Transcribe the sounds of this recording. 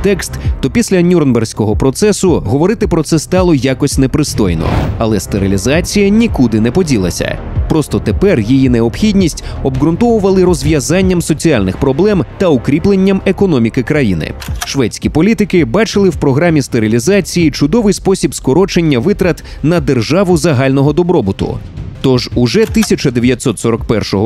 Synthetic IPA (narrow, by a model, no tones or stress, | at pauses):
t̪ɛkst̪ːɔpʲisʲlʲɐnʲurnbɛrsʲkɔɦɔpɾɔt̪sɛsʊɦɔʋɔɾɪt̪ɪpɾɔt̪sɛst̪ɑlˠɔjakɔsʲnɛpɾɪst̪ɔjnɔ̰ɐ̰lˠɛst̪eɾilʲizat͡sʲijɐnʲikud̪ɪnɛpɔdʲilˠɐ̰sʲɐ̰ | pɾɔst̪ɔt̪epɛrjijinɛɔpxʲidʲnʲisʲtʲɔbɣɾʊnt̪ɔʋʊʋɐlˠɪɾɔzʲʋʲjɐzanʲːɐmsɔt͡sʲialʲnɪxpɾɔblˠɛmt̪ɐʊkɾʲiplˠenʲːɐmekɔnɔmʲikɪkɾɐjḭnɪ̰ʃʋɛt͡sʲkʲipɔlʲit̪ɪkɪbɑt͡ʃɪlˠɪwpɾɔɦɾamʲist̪eɾɪlʲizat͡sʲijit͡ʃʊd̪ɔʋɪjspɔsʲibskɔɾɔt͡ʃenʲːɐʋɪt̪ɾɐt̪ | nɐd̪erʒaʋʊzɐɦalʲnɔɦɔd̪ɔbɾɔbʊt̪ʊ̰t̪ɔʒʊʒɛt̪ɪsʲɐt͡ʃɐd̪eʋʲjɐt̪ʲsɔt̪sɔɾɔkpɛrʃɔɦɔ